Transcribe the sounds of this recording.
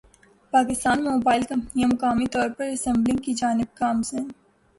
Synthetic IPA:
paːkɪst̪aːnmemoːbaːɪlkɐ̃mpnijamʊkaːmit̪ɔːɾpɐɾɐsɛ̃mblɪ̃ɡkid͡ʒaːnɪb̚kaːmsɛ̃ː

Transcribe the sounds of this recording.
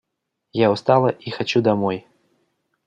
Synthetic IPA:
jawst̪alˠɐʔixat͡ɕud̪amɔj

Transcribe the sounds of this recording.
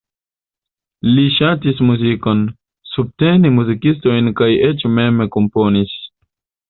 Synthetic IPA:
liʃatismuzikon | sub̚tenimuzikisto̞jnkajet͡ʃmemekompo̞nis

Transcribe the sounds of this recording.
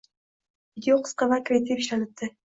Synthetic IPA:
vid̪ʲeoqʰɨ̥sqɑvakʲɾet̪epiʃlanɨp̚t̪ʰːɪ

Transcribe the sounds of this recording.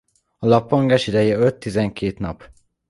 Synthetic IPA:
ɒlɒpːoŋɡaːʃid̪ɛjɛøt̪ːizɛŋkeːt̪nɒp

